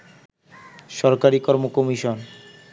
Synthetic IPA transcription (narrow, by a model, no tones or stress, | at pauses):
ʃɔɾkaɾikɔɾmokɔmiʃon